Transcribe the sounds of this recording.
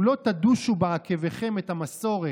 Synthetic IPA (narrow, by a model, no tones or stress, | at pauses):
lo̞t̪ad̪uʃubaakeveχe̞met̪amaso̞ʁe